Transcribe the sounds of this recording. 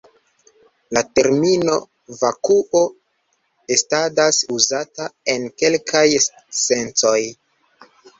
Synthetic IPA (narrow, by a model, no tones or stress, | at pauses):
late̞ɾmino̞̰ | vakuʔo̞ | estadasuzatae̞nke̞lkʰaj | se̞nt͡so̞j